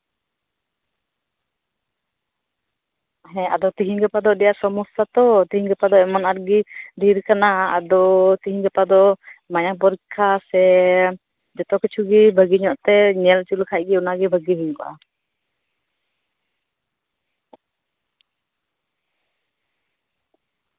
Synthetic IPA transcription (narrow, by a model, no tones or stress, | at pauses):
ɦɛ̃a̰d̪ɔt̪iɦiŋɡɛpad̪ɔdɛjaʔsɔmusat̪ɔt̪iɦiŋɡɛpad̪ɔɛmanaɾ̚ɡid̪iɾkanaa̰d̪ɔt̪iɦiŋɡɛpad̪ɔmaɲapɔɾikʰːasɛ | d͡ʒɔt̪ɔkit͡ʃʰuɡibʱəɡiɲɔʔt̪ɛɲɛlt͡ʃulkʰaʔ̚ɡɛunaɡɛbʱəɡiɦiɲkɔʔa̰